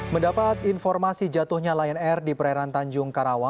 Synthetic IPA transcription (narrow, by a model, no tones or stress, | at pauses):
məndapat̪infɔrmasid͡ʒat̪ʊhɲalaɛnɛrdipəɾaɾant̪aɲd͡ʒʊŋkaɾawa